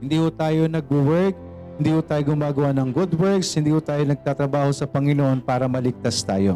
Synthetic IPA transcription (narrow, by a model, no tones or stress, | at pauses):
hɪnd̪iːhʊt̪aːjo̞nɐɡ̚bʊwɛɹk̚ | hɪnd̪iːhʊt̪aːjoɡʊmaːɡɐwanɐŋɡʊd̪wɛɹkshɪnd̪iːhʊt̪aːjonɐɡ̚t̪aːt̪ɾɐbaːho̞sɐpɐŋɪnoʔo̞npaːɾɐmɐlɪɡ̚t̪ast̪aːjo̞̰